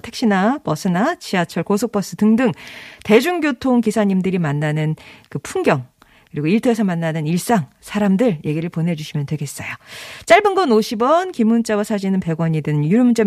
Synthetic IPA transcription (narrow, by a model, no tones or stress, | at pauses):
tʰe̞k̚ɕ͈inapʌsʰɯnat͡ɕʰiat͡ɕʰʌɭkosʰok̚p͈ʌs͈ɯtɯŋdɯŋte̞d͡ʑuŋɡjotʰoŋkisʰaɲimdɯɾimanːanɯnkɯpʰuŋɡjʌŋ | kɯɾiɡoiɭtʰesʰʌmanːanɯniɭs͈aŋ | sʰaɾamdɯɭje̞ɡiɾɯɭponɦe̞d͡ʑuɕʰimjʌntwe̞ɡe̞s͈ʌjot͡ɕ͈aɭbɯnɡʌnoɕʰibʌnkimːunt͡ɕ͈awasʰad͡ʑinɯnpe̞ɡwʌɲidɯnjuɾmud͡ʑe